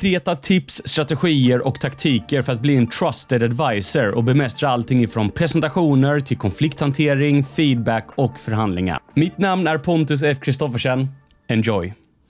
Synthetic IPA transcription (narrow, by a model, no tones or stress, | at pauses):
kʰɾeːt̪at̪ʰɪpsːt̪ɾat̪ɛɧiːəɾʔɔkt̪ʰakt̪ʰiːkəɾfœɾat̪̚bliːɛnt̪ʰɾast̪ɛd̪ad̪vajsəɾɔ̰bɛmɛst̪ɾaalt̪ʰɪŋːɪfɾɔnpʰɾɛsɛnt̪aɧuːnəɾt̪ʰɪlkʰɔnflɪkt̪hant̪ʰeːɾɪŋfiːd̪̚bækɔkfœɾɦand̪lɪŋa̰mɪt̪namnæɾpʰɔnt̪ɵs̬ɛfkʰɾɪst̪ɔfəʂɛn | ɛnd͡ʒɔj